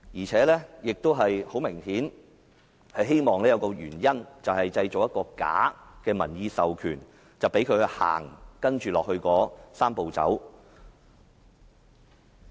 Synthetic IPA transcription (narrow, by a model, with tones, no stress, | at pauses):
jiː˨˩t͡sʰɛː˨˥lɛː˥jɪ˨k̚t̪o˥wɦɐ˨jho˨˥wmɪ˨˩ŋhiː˨˥n | hɐ˨jɦe˥jmɔː˨ŋlɛː˥jɐ˨˧wkɔː˧jy̰ː˨˩njɐ˥nt͡sɐ˨whɐ˨jt͡sɐ˧jt͡so˨k̚jɐ˥t̚kɔː˧ka̰ː˨˥kɛː˧mɐ˨˩njiː˧sɐ˨wkʰy̰ː˨˩n | t͡sɐ˨wpe˨˥jkʰɵ˨˧ɥhɵ˧ha̰ː˨˩ŋkɐ˥nt͡ʃyː˨lɔː˨k̚hɵ˧ɥkɔː˨˥saː˥mpo˨wt͡sɐ̰˨˥w